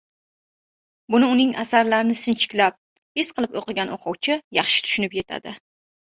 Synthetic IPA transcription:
bʊnɪʊnɪŋasaɾlaɾɪnɪsɪnt͡ʃʰɪ̥kʲlap̚ | hɪsqʰɨlˠɪpoqɨɡʲanoqʰɒwt͡ʃʰɪjɑχʃɪ̥t̪ʰʊ̥ʃʊnɪpje̞t̪ʰa̰d̪ɪ

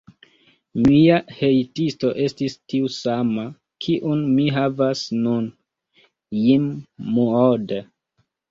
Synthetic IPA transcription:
miahe̞jtisto̞ʔe̞stistiusama | kʰiʔunmiɦavasnun | jimːuod

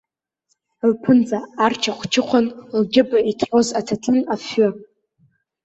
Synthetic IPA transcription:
lpʰɨnd͡zaːrt͡ʃʰaχʷt͡ʃʰɪqʷʰanlɡʲɪbaitʰħozatʰatʰɨnafːʊ

